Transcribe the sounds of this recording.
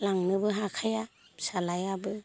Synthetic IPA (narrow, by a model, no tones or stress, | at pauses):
laŋnɯbɯɦakʰaja | salajabɯ